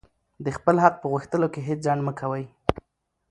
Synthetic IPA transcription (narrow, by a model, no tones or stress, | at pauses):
d̪əxpəlɦad̪̚pəɣuxt̪əlokeɦet͡szaɳməkʰawəj